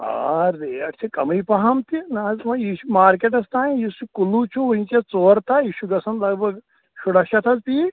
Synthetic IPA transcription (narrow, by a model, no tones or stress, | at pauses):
a̰ːɾdeːɐʈt͡ʃʰikɐmijpɐɦamt̪inaːzmɐjiːʃumaːɾkeʈ̬ɐst̪aːĩjisukulut͡ʃʰuʋuĩt͡ʃet͡soːɾt̪ajiːʃuɡɐsɐnlɐɡbɐɡ | ʃʰuɽɐʃɐt̪ʰɐzpi